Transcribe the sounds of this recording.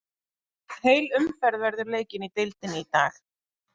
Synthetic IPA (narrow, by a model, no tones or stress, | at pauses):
heːjlʏmfɛɾðvɛɾðʏɾleːjcɪnit̪ɪlt̪ɪnɪit̪aːl